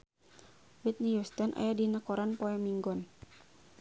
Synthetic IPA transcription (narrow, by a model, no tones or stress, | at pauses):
wit̪̚nijust̪ənʔa̰jadinakɔɾanpɔɛmiŋɡɔn